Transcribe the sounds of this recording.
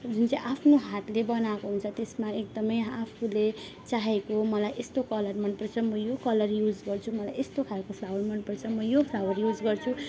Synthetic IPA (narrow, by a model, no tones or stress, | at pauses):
d͡zunt͡sãĩʔapʰnoɦat̪lebʌnakoɦunt͡sʰʌt̪esmaekd̪ʌmʌjapʰule | t͡saɦekomʌlajʔest̪okʌlʌrmʌnpʌrt͡sʰʌmʌjokʌlʌrjud͡zɡʌrt͡sʰumʌlajest̪okʰalkopʰrawʌrmʌnpʌrt͡sʰʌmʌjopʰrawʌrjud͡zɡʌrt͡sʰu